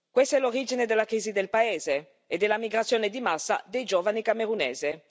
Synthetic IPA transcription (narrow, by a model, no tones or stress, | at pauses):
kwest̪ɛloɾiːd͡ʒined̪elːakɾiːzid̪elpaeːzeː | d̪elamiɡɾat̪sjoːned̪imasːa̰d̪ejd͡ʒoːvanikameɾunḛːze